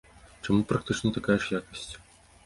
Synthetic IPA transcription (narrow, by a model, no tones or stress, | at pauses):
t͡ʂɐmupɾɐkt̪ɨt͡ʂnət̪akajɐʂjakəsʲtʲ